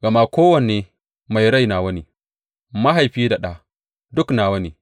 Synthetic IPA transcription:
ɡɐ˨maː˦kʷoː˦wɐ˨neː˨ | ma˨jɽa˦˨jnaː˨wɐ˦neː˨ | ma˦ɦa˨jɸiː˦da˨ɗaː˦ | dʊ˦knaː˨wɐ˦neː˨

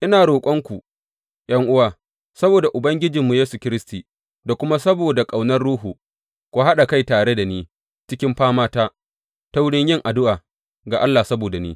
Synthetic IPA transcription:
ʔɪ˦naː˨ɽoː˨kʷʼɔ˦ŋkʷu˨ | j̰ʔɐ˦ŋʔʊ˦waː˨ | sɐ˦boː˨da˨ʔʊ˨bɐ˦ŋɡʲɪ˦d͡ʒɪ˨mːu˨jeː˦su˨kʲɪ˦ɾɪ˦stiː˨ | da˨kʷʊ˦ma˦sɐ˦boː˨da˨kʼa˨wnɐ˦rɽuː˦ɦuː˨ | kʷoː˦ɦa˦ɗa˨ka˦˨jtaː˨ɽe˦da˨niː˦ | t͡ʃɪ˦kʲɪ˦mɸaː˦maː˦taː˦ | ta˦wʊ˦ɽɪ˦ɲjɪ˦˨ŋʔa˨dʊ˦ʔaː˨ | ɡa˨ʔa˦lːaː˨sɐ˦boː˨da˨nḭː˦

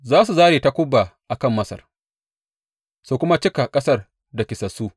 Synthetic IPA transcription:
zaː˦su˨zaː˦ɾeː˨ta˦kʷʊ˦bːa˨ʔa˨kɐ˦˨mːɐ˦sɐ̰˨r | suː˦kʷʊ˦ma˦t͡ʃɪ˦ka˨kʼɐ˦sɐ˦r | da˨kʲɪ˨sɐ˨suː˦

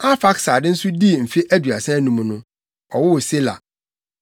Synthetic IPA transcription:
a˦fa˦ksa˨dɪ̃˦n̩˦sʊ˦di˦˨m̩˨fe˦ʔæ˦dɥa˨sɛ̃˦nũ˨m̃˨˦nʊ̃˦ | ɔ˨wʊ˦wse˦la̰˨

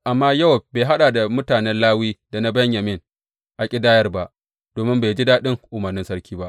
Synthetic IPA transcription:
ʔa˨mːaː˦ja˦˨wbeː˨ɦa˦ɗaː˨da˨mʊ˦taː˨nɛ˦nlaː˦wiː˦da˨na˦bɐ˦ɲjɐ˨mɪ˦ŋ | ʔa˨kʲʼɪ˦daː˦jɐ˦rba˦ʔ | d̥oː˨mɪ˦mbeː˨d͡ʒi˦daː˦ɗɪ˦ŋʔʊ˨mɐ˨rnɪ˦nsɐ˦ɽkʲiː˦ba˦ʔ

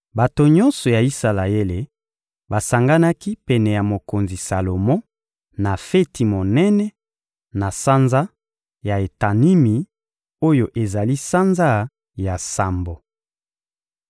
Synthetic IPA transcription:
ba˨to˨ɲɔ̃˦nsɔ˨ja˨i˦sa˨la˨e˦le˨ | ba˨sa˨ŋɡa˦na˦ki˦pɛ˨nɛ˨ja˨mo˨ko˨nzi˨sa˨lo˨mɔ̃˦ | na˨fe˦ti˨mo˨nɛ˦nɛ˦ | na˨sa˦nza˦ | ja˨e˨ta˨ni˦mi˨ | o˦jo˨ʔe˨za˨li˦sa˦nza˦ | ja˨sa˨mbo˨

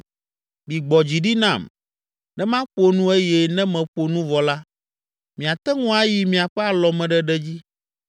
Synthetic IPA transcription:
mĩ˨ɡ͡bɔ˨d͡ʑi˨ɖi˦nã˦˨m | nɛ̃˦mã˦ɸo˦nũ˦e˦jɛ˦nɛ̃˦mɛ̃˨ɸo˨nũ˦vɔ˨la˦ | mĩ˨a˨t̪ɛ˦ŋɔ̃˦a˦ji˨mĩ˨a˨ɸɛ˦a˨lɔ˨mɛ̃˨ɖɛ˦ɖɛ˦d͡ʑi˦

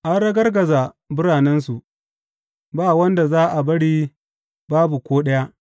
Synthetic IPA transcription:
ʔa˦nɽɐ˦ɡɐ˦rɡɐ˨za˨ | bʊ˦ɽaː˨nɛ˦nsu˨ʔ | baː˦wɐ˦nda˨zaː˦ʔa˨bɐ˦ɽiː˦ | baː˦bu˨kʷoː˦ɗɐ˦ja˦ʔ

